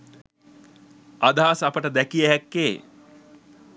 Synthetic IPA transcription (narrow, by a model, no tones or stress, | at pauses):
ad̪aːsapəʈəd̪ækijəɦækːeː